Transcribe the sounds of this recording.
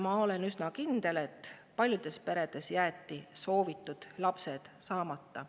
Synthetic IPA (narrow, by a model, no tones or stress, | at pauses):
mɑo̞le̞nysnɑkind̪̥e̞let̪ːˑ | pɑlʲjud̪̥e̞spe̞ɾe̞d̪̥e̞sjæːt̪ːˑiso̞ːvit̪ːˑud̪̥lɑpse̞d̪̥sɑːmɑt̪ːɑ